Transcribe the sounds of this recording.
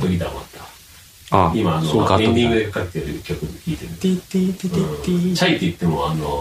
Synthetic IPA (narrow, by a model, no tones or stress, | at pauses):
bɯɡʲid̪ama̰t̪ːa | aimaːnooeɲʲd̪ʲĩŋɡɯd̪e̞kakatt̪ːeɾɯkʲokɯ̟nokʲiːt̪eɾɯ | t͡ɕait̪ːeit̪ːe̞moano